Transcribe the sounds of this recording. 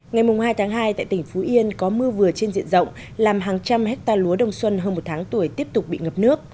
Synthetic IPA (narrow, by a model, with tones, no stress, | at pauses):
ŋa˨˩jmʊ˨˩ŋ͡mhaː˧jt̪ʰːŋɦaː˧jt̪a̰ː˧˨jt̪ï˧˩ŋ̟fu˨˦ʔi˧ənkɔ˨˦mɨ˧əvɨ˨˩ət͡ɕe˧nzḭ˧˨ənzə̰˧˨wŋ͡m | laː˨˩mɦaː˨˩ŋt͡ɕa˧mɦɛ˦˥k̚t̪aː˧lu˨˦əɗə˨˧˩wŋ͡mswə˧nɦəː˧nmo˨˩t̚t̪ʰaː˨˦ŋt̪u˧˩əjt̪i˦˥əp̚t̪ʊ˨˩k͡p̚ɓḭ˧˨ŋə˨˩p̚nɨ˦˥ək̚